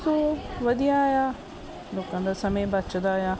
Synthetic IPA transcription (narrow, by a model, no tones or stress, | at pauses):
t̪uʋɐd̪ʱijaja | loːkãnd̪asɐməjbɐt͡ʃd̪aːjaː